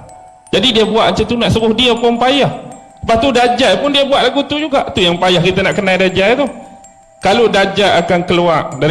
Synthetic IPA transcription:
d͡ʒadidiəbua̰ʔmat͡ʃat̪unaʔsuɣʊhdiəpʊnpajahsəpat̪udad͡ʒajpʊndiəbuaʔ̪laɡut̪ud͡ʒuɡaʔt̪ujaŋpajahkit̪ənaʔkənajdad͡ʒajt̪u | kaludad͡ʒaakankəluaʔda

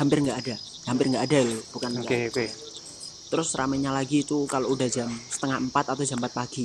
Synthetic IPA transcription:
ɦampɪrŋɡaʔːda | ɦampɪrŋɡaʔːdalb̥ukana | t̪əɾʊsɾa̰mɛɲalaɡiːt̪ukaloudahd͡ʒamsə̥t̪əŋampat̪at̪ad͡ʒampat̪̚paɡ̥i

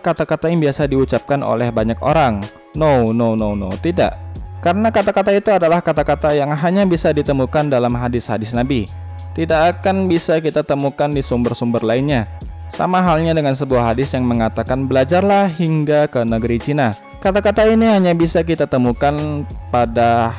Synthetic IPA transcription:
kat̪akat̪ajaŋbiasadiut͡ʃap̚kano̰lɛhbaɲako̰ɾaŋ | nownownownowt̪ida̰ʔkaɾənakat̪akat̪ait̪uadalahkat̪akat̪ajaŋɦaɲabisadit̪əmukandalamɦadɪshadɪsnabi | t̪idakːkanbisakit̪at̪əmukandisumbərsumbərlaɪnɲa | sa̰maɦalɲadəŋansəbuahɦadɪsjaŋməŋat̪akanbəlad͡ʒarlahhiŋɡakənəɡəɾit͡ʃina | kat̪akat̪ainiɦaɲabisakit̪at̪əmukanpada

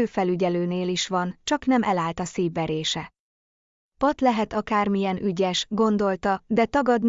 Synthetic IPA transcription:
øːfɛlyɟɛløːneːliʃʋɒnt͡ʃɒknɛmʔɛlaːlt̪ɒsiːvːɛɾeːʃɛ | pɒt̪lɛɦɛt̪ɒkaːrmijɛnʔyɟɛʃɡo̞nd̪o̞lt̪ɒd̪ɛt̪ɒɡɒd̪n

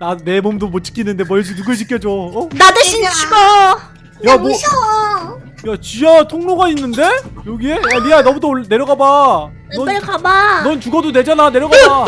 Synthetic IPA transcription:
nane̞momdomot͡ɕ͈ʰi̥k͈ʰinːɯnde̞mʌed͡ʑinuɡɯɭt͡ɕik͈jʌd͡ʑoʌnadɯɕʰint͡ɕʰiɡa | jamo | jat͡ɕiatʰoŋnoɡainːɯnde̞joɡie̞janiɡanʌmudoɭne̞ɾjʌɡaba | nnkabanʌnt͡ɕuɡʌdone̞d͡ʑanane̞ɾjʌɡaba

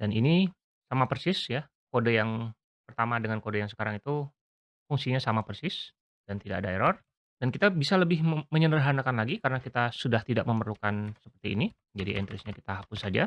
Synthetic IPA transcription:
danini | samapərsɪsja | kodajaŋ | pərt̪amadəŋankodajaŋsə̥kaɾaŋit̪u | fuŋsiɲasamapərsɪs | d̥ant̪idakadaeɾɔr | dankit̪abisaləbɪhməɲənəɾaɦanakanlaɡikaɾənakit̪asudaht̪idaʔ̚məmərlukansəpərt̪ḭːni | d͡ʒadiɛ̰nt̪ɾɪsɲaki̥t̪aɦapʊssad͡ʒa

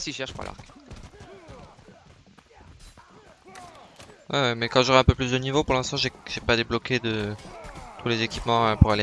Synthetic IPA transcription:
siʃɛʁʃpa̰la̰ʁk | wɛwɛmɛkɑ̃ʒɔʁɛɛ̃pøplys̬d̪ənivopuʁlɛ̃st̪ɑ̃ʒeʒ̥epad̪eblɔkʲed̪ə | t̪ʰulezekʲipmɑ̃ɛ̃puʁale

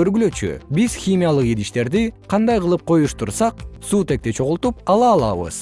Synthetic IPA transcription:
øɾɡylø̞t͡ʃy̰biz̥xʲimʲijalˠɯqid̪iʃt̪e̞ɾd̪iqʰɑnd̪ɑjqɯlˠɯp̚qʰo̞juʃt̪uɾsɑq̚suːt̪e̞k̚t̪et͡ʃʰo̞ʁulˠt̪upɑlˠɑːlˠɑβɯ̰z̥

